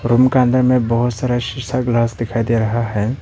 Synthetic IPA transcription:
ɾumkãnd̪əɾmẽbɐɦʊt̪saːɾaʃɪsaɡlaːsd̪ɪkʰaːid̪eɾɐɦaɦɛː

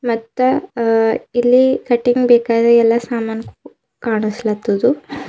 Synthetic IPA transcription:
mɐt̪ːɐ | ilːikɐʈːiŋɡbɛːkaːd̪ɾɐɛlːɐsaːmaːnɐku | kaːɳislɐt̪ːud̪u

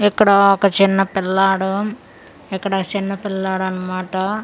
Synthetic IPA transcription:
ɛkːɐɽɐɐkːɐt͡ʃinːɐpilːaːɽɐm | ɛkːɐɽɐkːɐt͡ʃinːɐpilːaːɽɐnɐmaːʈːɐ

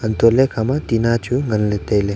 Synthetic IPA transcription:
ənt̪olekʰamat̪inat͡ʃuŋɐnlet̪ejle

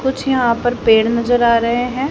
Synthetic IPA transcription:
kʊt͡ʃʰjəɦãːpəɾpeːɽnəzəɾaːɾəɦeɦɛ̃ː

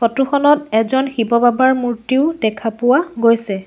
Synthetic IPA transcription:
ɔtuxɔnɔtɛzɔnxibɔbabaɹmuɹtiʊdɛkʰapʊwaɡojsɛ

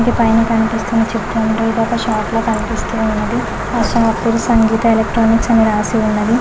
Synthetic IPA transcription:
kipɐjnɐkɐnipist̪unːɐt͡ʃepːuɳʈeibaːkɐʃaːʈloːkɐnipist̪uːunːɐd̪i | aːʃɐmɐpːuɾusɐŋɡiːt̪ɐelekʈɾoːniksɐniɾaːsiunːɐd̪i

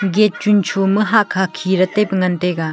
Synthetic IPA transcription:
ɡet̚t͡ʃunt͡ʃʰomɯɦakʰakʰiɾɐtepŋɐnteɡa

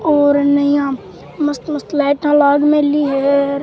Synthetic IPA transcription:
oːɾnəjãː | mɐst̪məst̪lɛːʈãːlaːɡmẽliːɦeɾ

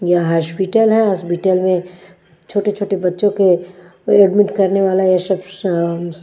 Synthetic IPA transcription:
jɐɦaːʃpiʈəlɦɛ̃asbiʈəlmẽ | t͡ʃʰoːʈet͡ʃʰoːʈebɐtːʃõke | eːɖmɪʈkɐɾneʋaːlajeʃəf

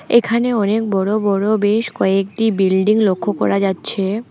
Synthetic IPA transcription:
ekʰaneɔnek̚bɔɽobɔɽobeʃkɔek̚ʈibilɖiŋlokʰːokɔ̰ɾad͡ʑatːɕʰe

